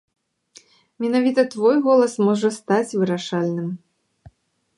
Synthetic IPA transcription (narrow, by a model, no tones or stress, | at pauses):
mʲɛnavʲit̪ɐt̪vɔjɣɔlˠɐsmɔʐɐst̪at͡sʲvɨɾaʂalʲnɨm